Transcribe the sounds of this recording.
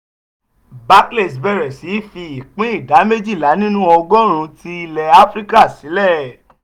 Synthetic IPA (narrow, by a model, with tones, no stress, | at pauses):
ba˦kle˦˨sbɛ˦˨ɾɛ˨si˨˦fi˧i˨k͡pĩ˦i˦˨da˨˦me˦d͡ʒi˦˨la˨˦nĩ˦nũ˦ɔ˧ɡɔ˦ɾ̃ũ˧ti˧i˧lɛ˧a˦fɾi˦ka˦˨si˨˦lɛ˦˨